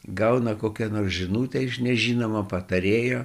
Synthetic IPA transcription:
ɡɐʊnɐkoːkʲɛnoːrsʒʲɪnuːt̪ʲɛɪʃnʲɛʒʲiːnoːmɐpɐt̪ɐɾʲeːjoː

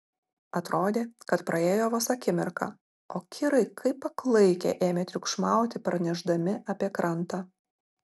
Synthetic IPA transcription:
ɐt̪ɾoːd̪ʲeːkɐt̪pɾʔɐeːjoːʋɐsɐkʲɪmʲɪɾkɑ̰ | oːkʲʰɪɾɐɪkʰɐɪpːɐklˠɐɪkʲḛːʔeːmʲeːt̪ʲɾʲʊkʃmɑˑʊt̪ʲɪpɐɾnʲɛʒd̪ɐmʲɪʔɐpʲiɛkɾɐnt̪ɑ

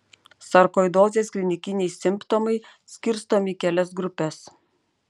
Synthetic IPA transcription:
sɐɾkɔːɪd̪oːzʲeːsklʲɪnʲɪkʲɪnʲɛjsʲɪmpt̪omɐɪ | sʲkʲɪɾst̪oːmʲɪkʲɛlʲɛsɡɾʊpʲɛs

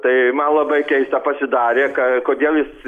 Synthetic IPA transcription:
t̪ɐɪmɐnlˠɐbɐɪkʲɛɪst̪ɐpɐsʲɪd̪ɑːɾʲeːkɐkoːd̪ʲeːlˠjɪs

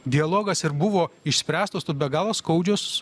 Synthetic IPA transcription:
d̪ʲɪɐlˠoːɡɐsɪɾbʊʋoːɪʃʲsʲpʲɾʲæːst̪oːst̪oːsbʲɛɡɑːlˠoːskɐʊd͡ʒʲʊs

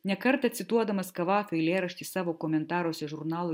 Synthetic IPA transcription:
nʲɛkɐɾt̪ɐt̪ʲsʲɪt̪uɔd̪ɐmɐskɐʋɑːfʲoːɪlʲeːɾɐʃʲt̪ʲiːsɑːʋoːkɔmʲɛnt̪ɑːɾuɔsʲɛʒʊɾnɑːlˠo

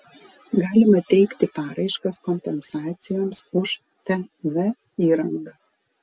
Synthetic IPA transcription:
ɡɑːlʲɪmɐt̪ʲɛɪkt̪ʲɪpɑːɾɐɪʃkɐskɔmʲpʲɛnsɑːt̪sʲɪjoːmsʊʃ | t̪ʲɛʋʲɛ | iːɾɐŋɡɐ

